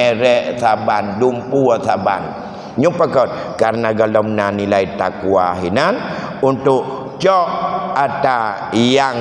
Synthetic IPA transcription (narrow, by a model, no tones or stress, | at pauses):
ɛɾɛʔsabandumpuasaba̰n | ɲupakɔt̪̚ | kaɾnaɡalɔmnanilait̪akua̰ɦinanunt̪ʊʔ | t͡ʃɔʔat̪a | jaŋ